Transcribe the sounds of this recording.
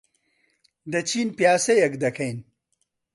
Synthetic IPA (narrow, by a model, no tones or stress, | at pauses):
d̪ɐt͡ɕinpjaːsejɐkd̪ɐkʰɐjn